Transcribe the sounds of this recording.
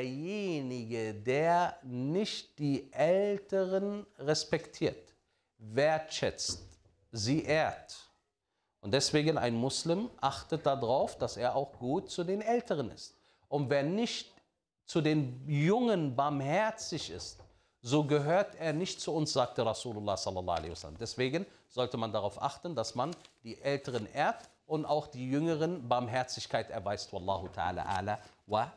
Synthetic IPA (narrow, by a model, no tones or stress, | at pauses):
deɐjeːnɪɡədeːɐnɪçt̚d̥iːʔɛltəʁənʁɛspɛktʰiːɐt | veːɐtʃɛ̰t͡st | ziːʔeːɐt | ʔʊntd̥ɛsv̥eːɡəna̰ɪnmʊslɪmʔaχtət̚d̥adʁaʊfd̥aseːɐʔaʊxɡ̥uːtt͡sudeːnʔɛltʰəʁ̞ənɪ̰st̚ | ʔʊntv̥eːɐnɪçt | t͡sudeːnjʊŋənbaɐmhɛɐt͡sɪçɪ̰st | z̥oːɡəɦøːɐtʔeːɐnɪçt̚t͡suʊnsz̥aːk̚td̥əʁasuːlʊlaːsɔlːɑlːɑa̰lḛsa̰la̰mdɛsv̥eːɡən | z̥ɔltəmandaʁaʊfʔa̰χtənd̥asmand̥iːʔɛltʰəʁ̞ənʔeːɐt | ʔʊntʔaʊxd̥iːjʏŋəʁənbaɐmɦɛɐt͡sɪçkʰaɪtʔɛɐvaɪstwalːɑːhʊtʰa̰a̰ːla̰ʔa̰ːlawa